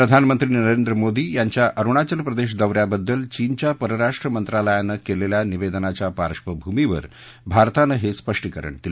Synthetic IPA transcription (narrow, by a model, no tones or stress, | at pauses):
pɾəd̪ʱanmənt̪ɾiːnəɾend̪ɾəmod̪iːjaɲt͡ɕjaʔəɾuɳ̃at͡ɕəlpɾəd̪eɕ̬d̪əʋɾjabəd̪ːəlt͡ɕiːnt͡ɕjapəɾəɾaʂʈɾəmənt̪ɾaləjanːəkeleljaniʋed̪ənat͡ɕjapaɾʂʋəbʱumiʋə̰ɾ | bʱaɾt̪anəɦespəʂʈikəɾə̰ɳt̪il